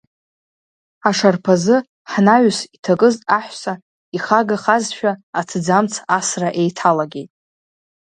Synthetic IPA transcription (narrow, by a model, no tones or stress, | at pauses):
aʂarpʰazɨ | ħnaɥsitʰakʼɨzʼaħʷsa | iχaɡaχazʃᶣaːtʰɨd͡zamt͡sʰasraʔejtʰalaɡʲe̞jtʼ